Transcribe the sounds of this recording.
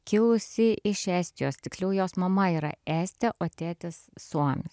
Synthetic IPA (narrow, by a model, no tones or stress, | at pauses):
kʲɪlˠʊsʲɪʔɪʃɛːsʲt̪ʲɪjoːst̪ʲɪkslʲuːjoːsmɐmɐiːɾɐ̰æːsʲt̪ʲɛʔoːt̪ʲæːt̪ʲesːuɔmʲɪs